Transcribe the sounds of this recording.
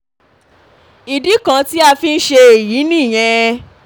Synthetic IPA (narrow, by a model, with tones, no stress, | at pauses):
i˨di˨˦kã˧ti˦a˧fi˧n̩˦ʃe˧e˨ji˨˦nĩː˦˨j̃ɛ̃˧